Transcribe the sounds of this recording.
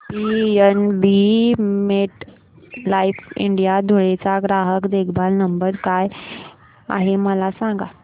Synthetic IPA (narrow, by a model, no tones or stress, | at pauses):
biənbimeʈ | laifḭɳɖijad̪ʱoɭet͡saɡɾaɦəkd̪ekʰbalnəmbəɾkaj | a̰ɦeməlasãŋɡa